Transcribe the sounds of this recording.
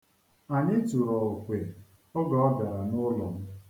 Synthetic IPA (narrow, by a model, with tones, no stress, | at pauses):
a˨ɲɪ˦tu˨ɾɔ˨o˨kʷe˨ | ɔ˦ɡɔ˨ɔ˦da˨ɾa˨nʊ˦lɔ˨m̩˦